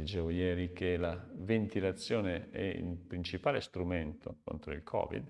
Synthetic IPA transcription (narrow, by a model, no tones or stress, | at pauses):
lid͡ʒɛːvojɛːɾikelavent̪ilat̪sːjoːneɛ̰ḭlpɾint͡ʃipaːlest̪ɾument̪ʰo̰ko̰nt̪ɾoilkʰɔ̰ːvḭd̪